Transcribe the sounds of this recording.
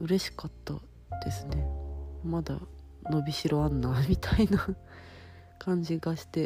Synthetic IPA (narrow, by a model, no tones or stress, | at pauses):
ɯ̟ɾe̞ɕi̥kat̪ːa | d̪̥e̞sɨne̞mad̪a̰ | no̞bʲiɕiɾoanːamʲit̪ʰaina | kãɲ̟d͡ʑiɡaɕi̥t̪e̞